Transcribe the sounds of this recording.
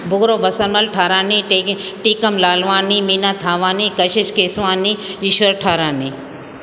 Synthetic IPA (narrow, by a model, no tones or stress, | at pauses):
bʱʊɡɾoːbɐsɐɾmɐlʈʰaːɾaːni | ʈiːkɐmlaːlʋaːniːminaːt̪ʰaːʋaːniːkɐʃɪt͡ʃkeːsʋaːniiʃʋɐɾʈʰaːɾaːniː